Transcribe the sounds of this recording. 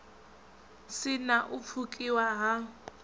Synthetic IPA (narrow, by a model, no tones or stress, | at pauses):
sɪnaʔʊp̪fʰukʼiwaɦa